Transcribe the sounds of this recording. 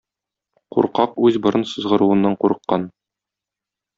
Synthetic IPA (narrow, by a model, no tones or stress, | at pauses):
quɾqɑqʉzbŏɾɤnsɤ̆zʁɤ̆ɾuwɤ̆nːɑɴquɾɤ̆qːɑn